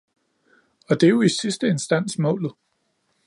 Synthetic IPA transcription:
ɒ̽d̥e̝jo̝isisd̥əe̝nsd̥æn̰smɔ̰̽ːlð̩ˠ

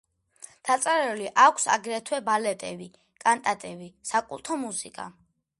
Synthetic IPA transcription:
d̪̥at̪sʼaɾɛuliʔakʰsa̰ɡɾɛt̪ʰwɛbalɛt̪ʼɛ̰bi | kʼant̪ʼat̪ʼɛbisakʼṵlˠt̪ʰɔmusikʼa̰

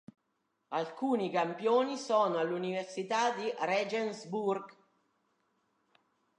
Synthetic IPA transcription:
alkuːnikampjoːnisɔːnoalːuniversit̪ad̪irɛd͡ʒɛnsburɡ

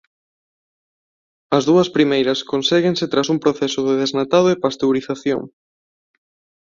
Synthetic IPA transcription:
ɐzðuɐspɾimejɾɐskonsɛɣeŋsɪt̪ɾasuŋpɾoθɛsʊðeðeznat̪aðʊepast̪ewɾiθaθjo̰ŋ

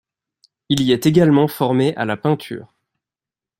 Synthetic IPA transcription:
iliɛt̪eɡalmɑ̃fɔʁmeʔa̰lapɛ̃t̪ʰy̰ːʁ

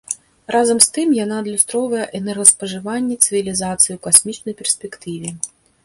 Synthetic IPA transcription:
rʔazɐmst̪ɨmjan̪ad̪lʲust̪ɾɔvɐjɛʔɛnɛrɣɐspɐʐɨvanʲːɛt̪sɨvʲilʲizat̪sɨjiuwkasʲmʲit͡ʂnɐjpʲɛrsʲpʲɛkt̪ɨvʲi

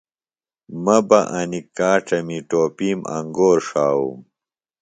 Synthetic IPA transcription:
mɐbɐʔɐnikaːʈɐmiʈoːpiːmɐ̰ŋɡoːɾʂaːwṵm

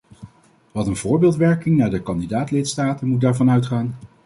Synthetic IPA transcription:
ʋɑtənv̥ʊːɹbɪːlˠtʋɛɹkɪŋnaːɹdəkɑndidaːtlɪtstaːtənmut̚daːɹvɑnœɥtχaːn

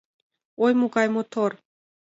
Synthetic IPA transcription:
ojmuɡɑjmot̪ʰor

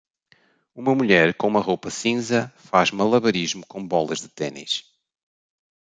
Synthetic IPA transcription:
umɐmuʎɛɾkõumɐʁowpɐsĩzɐfaʒmɐlˠɐβɐɾiʒmukõbɔlˠɐʒðɨt̪ɛnḭʃ

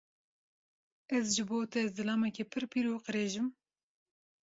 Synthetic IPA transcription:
ɛzʒɨboːt̪ɛzɨlɑːmɛkepʰɨɾpʰiːɾuːqɨɾeːʒɨm

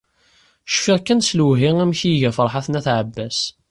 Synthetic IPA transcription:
ʃfiʁkːænsluɦiæmçiʝæfəɾˤħaθnæθʕəbːæs

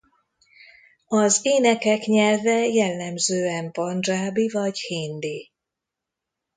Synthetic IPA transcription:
ɒzeːnɛkɛkɲɛlvɛjɛlːɛmzøːɛmpɒnʒraːbivɒɟheːnd̪i

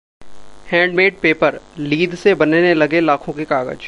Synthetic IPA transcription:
hɛ̃ːɳɖmeːʈ̚peːpəɾliːd̪ʱsebɐnenelɐɡelaːkʰõkekaːɡə̰d͡ʒ

